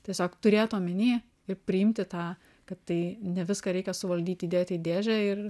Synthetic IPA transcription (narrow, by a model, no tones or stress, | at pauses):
t̪ʲiɛsʲoːkt̪ʊɾʲeːt̪oːmʲɪnʲiː | ɪrpʲɾʲɪɪmʲt̪ʲɪt̪ɑː | kɐt̪tɐɪnʲɛʋʲɪskɑːɾʲɛɪkʲɛsʊʋɐlʲd̪ʲiːt̪ʲid̪ʲeːt̪ʲid̪ʲeːʒʲɛɪr